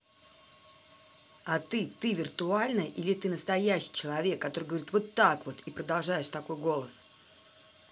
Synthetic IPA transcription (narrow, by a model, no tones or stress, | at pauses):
ɐt̪ɨt̪ɨvʲɪrt̪ʊalʲnəʔilʲɪt̪ɨnəst̪ɐjæɕːɪ̥jt͡ɕɪlˠɐvʲe̞kːɐt̪o̞ɾɨjɡəvɐɾʲit̪vo̞t̪ːakvo̞t̪ipɾəd̪ɐlˠʐajɪʂt̪ɐko̞jɡo̞lˠəs